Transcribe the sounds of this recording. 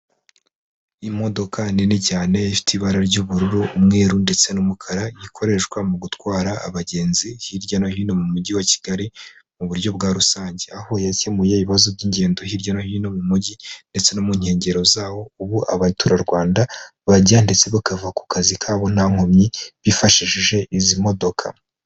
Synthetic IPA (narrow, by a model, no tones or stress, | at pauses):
imo̞do̞kʰanenicaːne̞ifi̥tiβaɾaɾɟuβuɾuɾuːmŋe̞ːɾunde̞t͡se̞numukʰaɾajikʰo̞ɾe̞ʃkwamuɡutwaːɾa̰ːβaɟe̞ːnzihiɾɟanohino̞mumuɟiwaci̥ɡ̥aɾimuβuɾjo̞bɡaːɾusaːɲɟeaho̞jacemujeβiβazo̞bɟiːɲɟe̞ːndoɦiɾɟanohino̞mumuɟinde̞t͡se̞nomuɲ̥he̞ːɲɟe̞ɾo̞zaːwo̞uβuʔa̰βatʰuɾaɾɡwaːnda | βaɟande̞t͡se̞βakavuaku̥kʰazikʰaːβo̞naŋ̥homɲiβifaʃiʃiʒe̞ʔizimo̞do̞kʰa̰